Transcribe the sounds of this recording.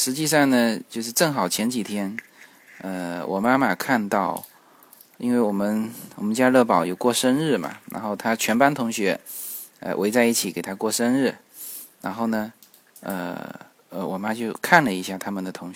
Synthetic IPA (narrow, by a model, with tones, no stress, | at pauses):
ʂɻ̩˧˥t͡ɕi˥˧s̬ɑ˥˩ŋnə˩t͡ɕjo˥˧ʊʂ̬ɻ̩˥˧ʈ͡ʂɤ˥˩ŋxɑ˨˩ʊt͡ɕʰjɛ˧˥nt͡ɕi˨˩t̪ʰjɛ˥n | ə˧wʔɔ̰˨˩ma˥ma˨kʰa˥˧nt̪ɑ˥˩ʊ | ḭ˥nwe˥˩ɪwɔ˨˩mə˦nwɔ˨˩mə˦nt͡ɕja˥˧lɤ˥˩pɑ˨˩ʊjo˨˩ʊkwɔ˥˩ʂə˥nɻɻ̩˥˩mɐ̰˨˩ɻa̰˧˥nxo˥˩ʊt̪ʰa˥t͡ɕʰɥɛ˧˥npa˥nt̪ʰʊ˧˥ŋɕɥɛ˧˥ | ə̰˧wʔe˧˥ɪt͡sa˥˧ɪi˥˩t͡ɕʰi˨˥ke˨˩ɪt̪ʰa˥kwɔ˥˩ʂə˥nɻɻ̩˥˩ | ɻa˧˥nxo˥˩ʊnə˩ | ə̰˧˩ | ə˧wɔ˨˩ma˥t͡ɕjo˥˧ʊkʰa˥˩nlə˩i˧˥ɕja˥˩t̪ʰa˥mə˨nd̪ə˩t̪ʰʊ˧˥ŋ˧˥